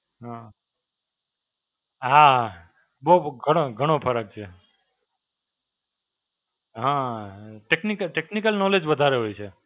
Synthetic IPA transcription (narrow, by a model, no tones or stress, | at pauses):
ɦã | ɦa | boɦɡʱəɽ̃oɡʱəɽ̃opʰəɾək̚t͡ʃʰe | ɦãʈeknikəʈeknikəlnɔled͡ʒʋəd̪ʱaɾeɦojt͡ʃʰe